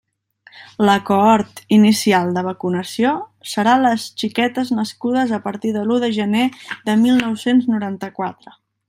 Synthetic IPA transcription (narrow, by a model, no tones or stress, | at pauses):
ləkoɔɾt̪inisialˠd̪əβ̞əkunəsiosəɾaləsʃikɛt̪əznəskuð̞əzəpəɾt̪iðəluðəʒəneðəmilˠnɔwsenznuɾant̪əkwat̪ɾə